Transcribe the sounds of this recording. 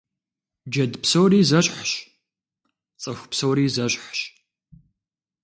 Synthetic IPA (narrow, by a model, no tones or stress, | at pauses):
d͡ʒɐdpʰsowriːzɐɕʼħɕ | t͡sʼɐxʷpsowɾiːzɐɕʼħɕ